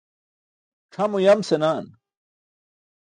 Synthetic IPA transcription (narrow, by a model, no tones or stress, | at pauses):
ʈ͡ʂʰɐmujɐmsenaːn